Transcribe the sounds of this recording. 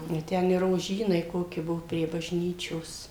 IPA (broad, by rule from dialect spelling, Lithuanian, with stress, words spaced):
ɪ ˈtʲɛn ɪ roːˈʒʲiːnɐɪ ˈkoːkʲɪ ˈbʊʋoː pʲrʲiɛ bɐʒʲˈnʲiːt͡ʃʲoːs